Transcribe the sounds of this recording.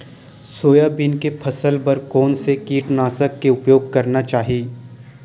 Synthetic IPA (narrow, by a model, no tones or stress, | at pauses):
soːjabinkepʰɐsəlpɐɾkɔːnsekiːʈnaːsəkːeʊpjoːɡkɐɾnat͡ʃaːɦieː